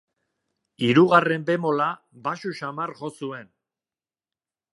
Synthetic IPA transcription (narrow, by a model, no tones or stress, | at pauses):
iɾuɣare̞mbe̞mo̞la | baʃuʃamaɾʝo̞sue̞n